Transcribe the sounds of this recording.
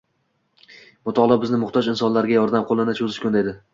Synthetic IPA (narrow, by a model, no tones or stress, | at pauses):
mʊt̪ʰɒʁlˠɑbɪznɪmʊχt̪ʰɒd͡ʒɪnsɒnlaɾɡʲajɒɾd̪amqʰolˠɪnɪt͡ʃʰɵzɪʃkʰʲond̪ajd̪ɪ